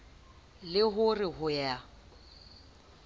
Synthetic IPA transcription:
lɪɦʊrɪɦʊja

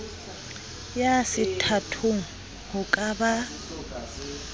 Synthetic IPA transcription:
jasɪtʰatʰʊŋ̩ | hʊkʼaba

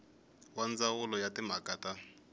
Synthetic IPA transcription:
wand͡zawʊlɔjatim̤akaːta

